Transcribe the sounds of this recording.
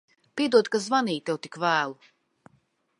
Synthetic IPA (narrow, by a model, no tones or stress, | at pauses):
piɛd̪uɔd̪kazvaniːt̪ewt̪ikvæːlˠu